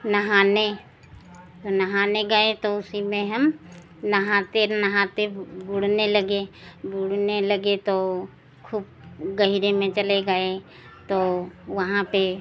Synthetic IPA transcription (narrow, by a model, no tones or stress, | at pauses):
nɐɦaːne | t̪onɐɦaːneɡəet̪oʊsimẽɦɐm | nɐɦãt̪enɐɦãt̪ebuːɽ̤nelɐɡebuːɽnelɐɡet̪o | kʰuːb̚ | ɡɐɦiɾemẽt͡ʃɐleɡəe | t̪oʋɐɦãpe